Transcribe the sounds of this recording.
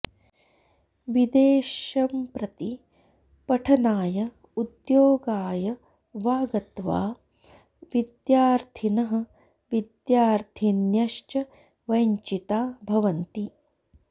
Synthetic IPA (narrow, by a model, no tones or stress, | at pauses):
ʋid̪eːʃɐmpɾɐt̪i | pɐʈʰɐnaːjɐ | ud̪joːɡaːjɐ | ʋaːɡɐt̪ʋa̰ː | ʋid̪jaːɾt̪ʰinɐɦɐ̆ | ʋid̪jaːɾt̪ʰinjɐʃt͡ʃɐ | ʋɐjɲt͡ʃit̪aːbʱɐʋɐnt̪i